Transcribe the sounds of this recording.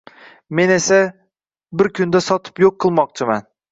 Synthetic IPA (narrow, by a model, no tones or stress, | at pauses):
menesa | bɪɾkʲʰynd̪asɒt̪ʰɨ̥pjoqʰːɨlˠmɒq̚t͡ʃʰɪman